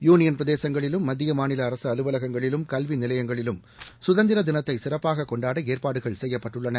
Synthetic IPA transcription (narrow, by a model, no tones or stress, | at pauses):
juːnɪjɐnpɾɐðeːsɐŋɡɐɭɪlɯmːɐd̪ːɪjɐmaːnɪlɐːɾɐsɯɐlɯʋɐlɐɣɐŋɡɐɭɪlɯmkɐlʋinɪlɐjɐŋɡɐɭɪlɯm | sʊðɐnd̪ɪɾɐd̪ɪnɐt̪ːɐɪsɪrɐpːaːɣɐkːɔɳɖaːɽɐeːɾpaːɽɯɣɐɭsɛjːɐpːɐʈːɯɭːɐnɐ